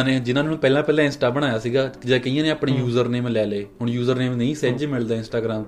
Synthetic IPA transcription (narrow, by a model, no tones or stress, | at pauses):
neːd͡ʒɪnãːnẽɦpɛːlãːpɛːlãːɪ̃nsʈaːbəɽ̃aːjaːsiːɡaːd͡ʒaːkəijãːneːəpɽeːjuːzəɾneːmlɛːleːɦʊɳjuːzəɾneːmnəĩːsɛd͡ʒmɪld̪aːɪ̃nsʈaːɡɾaːm